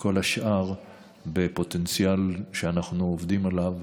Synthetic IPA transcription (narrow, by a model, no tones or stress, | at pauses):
ko̞laʃʔaʁ | bepo̞tent͡sjalʃeanaχnuovd̪imalav